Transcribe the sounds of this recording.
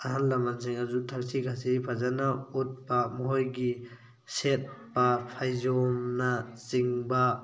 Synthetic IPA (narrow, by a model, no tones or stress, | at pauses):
aɦanlamansʰiŋazutʰaɾsiɡʰasiɾipʰazanaut̚bamɔɦɔjɡi | set̚bapʰajzɔmnat͡ʃiŋba